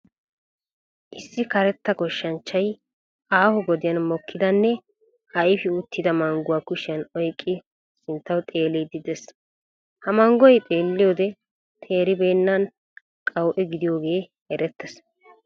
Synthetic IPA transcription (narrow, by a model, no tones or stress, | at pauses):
ʔɪsːɪkɐɾɛt̪ːɐkɔʃːɐnt͡ʃːɐj | ʔaːhɔɡɔd̪ɪjɐnmɔkʰːɪd̪ɐnːɛ | ʔɐjɪfɪʊt̪ʰːɪd̪ɐmɐŋɡʊwaːkʊʃɪjɐnɔjkʼːɪ | sɪnt̪ːɐwt̪ʼe̞ːlɛjd̪ɪd̪ɛs | hɐmɐŋɡɔjt̪ʼeːlːɪjoːd̪ɛ | t̪ʰe̞ːɾɪbeːnːɐn | kʼɐwʔɛɡɪd̪ɪjo̞ːɡe̞ː | hɛɾɛt̪ːɛs